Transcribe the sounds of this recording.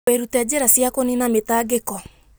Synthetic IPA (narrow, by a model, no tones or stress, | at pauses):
eɾutɛd͡ʑeɾasjakoninametaɡekɔ